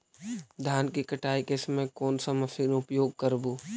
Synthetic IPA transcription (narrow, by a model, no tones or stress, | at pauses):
d̪ʱjaːnkikɐʈaːikesɐmẽkɔːnsamɐsiːnʊpjoːɡ̚kɐɾbuː